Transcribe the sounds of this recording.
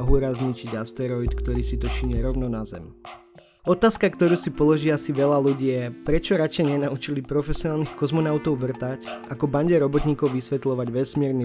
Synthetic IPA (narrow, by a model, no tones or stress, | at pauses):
ɦuɾazɲit͡ʃiɟast̪ɛɾɔit̪kt̪ɔɾiːsit̪ɔʃiɲɛɾɔʊnɔnazɛ̰m | ɔt̪aːskakt̪ɔɾuːsipɔlɔʒiːasiʋɛlaluɟiːjɛpɾɛt͡ʃɔɾat͡ʃɛɲɛnaut͡ʃilipɾɔfɛsiɔnaːlnixkɔzmɔnaʊt̪ɔʊʋr̩t̪acakɔbaɲɟɛɾɔbɔt̪ɲiːkɔʊʋisʋɛt̪lɔʋaɟʋɛsmɪɛɾni